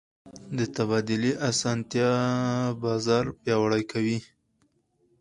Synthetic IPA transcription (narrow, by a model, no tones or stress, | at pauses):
d̪ət̪abɑd̪ʊliʔasɑnt̪jɑ | bɑzɑɾpjɑwaɽajkʰawi